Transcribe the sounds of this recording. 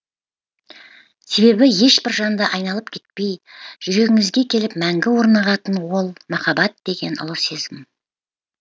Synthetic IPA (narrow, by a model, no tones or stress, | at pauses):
se̞βe̞bɪje̞ʃbɪɾʒɑnd̪əʔɑjnɑlˠəp̚kʲʰe̞t̪̚pe̞jʒ̥ʏɾe̞ɡʲɪŋɪzɡʲe̞kʲʰe̞lɪp̚mæŋɡʲɪwo̞ɾnɑʁɑt̪ənwo̞lˠmɑχɑbɑt̪̚d̪̥e̞ɡʲe̞nʊ̰lˠəsezɪm